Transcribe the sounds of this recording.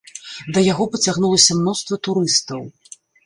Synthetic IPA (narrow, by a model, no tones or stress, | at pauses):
d̪ɐjaɣɔpɐt͡sʲaɣnulˠɐsʲɐmnɔst̪vɐt̪uɾɨst̪ɐw